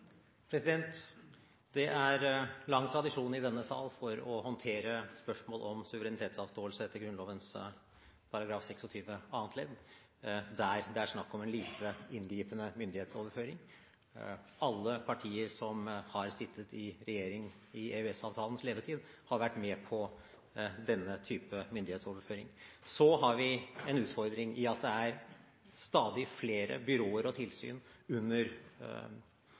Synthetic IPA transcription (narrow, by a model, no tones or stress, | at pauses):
pʰɾɛsɪd̪ɛnt̪ | d̪ɛʔæɾlɑŋːt̪ʰɾɑd̪ɪʂuːnɪd̪ɛnːəsɑ̰ːlfɔɾɔhɔnt̪ʰeːɾəspœʂmoːlʔɔmsʉʋəɾɛnɪt̪ʰeːt̪sɑːʋst̪oːəlsəɛt̪ːəɾɡɾʉnloːʋəns | pʰɑɾɑɡɾɑːfsɛksɔt̪ʰyːʋəɑːənt̪leːd̪ | d̪æɾd̪ɛæʂnɑkːɔmɛːnliːt̪əɪnɡɾiːpənəmʏnd̪ɪheːt̪soːʋəɾføːɾɪŋ | ɑlːəpʰɑʈʰiːəɾsɔmhɑɾsɪt̪ʰːət̪ɪɾɛjeːɾɪŋ | ɪeʉɛsɑːʋt̪ʰɑːlən̩sleːd̪əʈʰiːd̪hɑɾʋæʈːmɛpʰɔ | d̪ɛnːət̪ʰyːpəmʏnd̪ɪheːt̪soːʋəɾføːɾɪ̰ŋsɔɦɑɾʋɪɛnʉːt̪fɔɾd̪ɾɪŋɪɑt̪̚d̪ɛæɾ | st̪ɑːd̪ɪfleːɾə̰bʏɾoːəɾɔt̪ʰɪlsy̰ːnʉnːəɾ